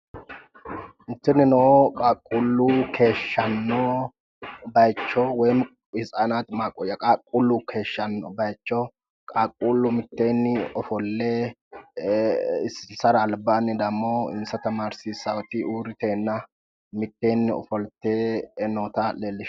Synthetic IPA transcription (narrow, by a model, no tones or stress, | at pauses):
ɪnt̪ːɪnːɪnokʼakʼːulːuːkʰe̞ːʃːɐnːo | bɐjt͡ʃːɔwɛjm | ɪsʼaːnaːt̪maːkʼːɔjɐkʼaːkʼːulːuːkʰe̞ːʃːɐnːɔ̰bɐjt͡ʃːɔ | kʼakʼːuːlːʊmɪt̪ːeːnːɪɔfɔlːe | ɪssɐɾɐːlbaːnːɪd̪ɐmːoːɪ̰nsɐt̪ɐmaːɾsisɐwɔt̪ɪuːɾɪt̪eːnːɐ | mɪt̪ːeːnːɪɔ̰fɔlt̪ːeːnoːt̪ɐleːlːɪʃ